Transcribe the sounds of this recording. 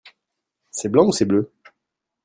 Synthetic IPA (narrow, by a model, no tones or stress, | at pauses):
sɛblɑ̃usɛblø